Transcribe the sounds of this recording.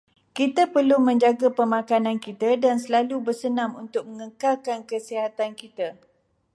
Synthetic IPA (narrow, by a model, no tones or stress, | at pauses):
kit̪apərlumə̃ɲd͡ʒaɡapəmãkanãnkit̪adansəlalubərsənãmunt̪ʊk̚mə̃ŋəkalkankəsiɦat̪ankit̪a